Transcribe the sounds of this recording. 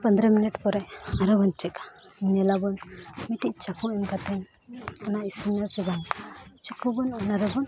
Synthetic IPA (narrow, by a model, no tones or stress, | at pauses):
pənd̪ɾəminiʈpɔɾɛaɾɔbɔnt͡ʃɛka | iɲɛlabɔnmiʈiʔ̚t͡ʃakuɛmkat̪ɛn | ɔnaʔisumnasibant͡ʃɛkubɔnɔnaɾɛbɔn